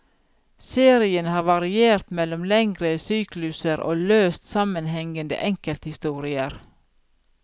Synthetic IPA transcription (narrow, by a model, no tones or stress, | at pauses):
seːɾɪənhɑːʋɑɾɪeːɾt̪mɛlɔmlɛŋɡɾəsyːklʉsəɾʔo̰ːløːst̪sɑmənhɛŋənd̪ə̰ʔɛŋkəlt̪hɪst̪uːɾɪəɾ